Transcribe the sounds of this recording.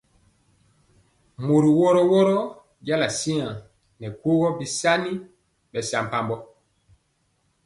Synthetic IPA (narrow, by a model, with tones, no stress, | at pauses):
mo˨ɾi˨wɔ˦ɾɔ˦wɔ˦ɾɔ˦ | ɟa˦la˨si˦ã˨ | nɛ˨ko˦ɣɔ˦bi˦sa˦ni˦ | ɓɛ˨sa˨m˨pa˨mbɔ˦